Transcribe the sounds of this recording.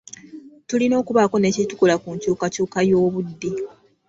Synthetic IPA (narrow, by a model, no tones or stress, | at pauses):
tulino̞ːkuβako̞ne̞ːcitu̥kulakuɲcuːkacuːkajo̞ːβudːi